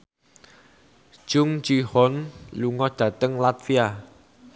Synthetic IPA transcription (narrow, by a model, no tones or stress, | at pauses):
ʒ̥ʊŋd͡ʒihɔnluŋɔd̥ä̤t̪əŋlat̪fia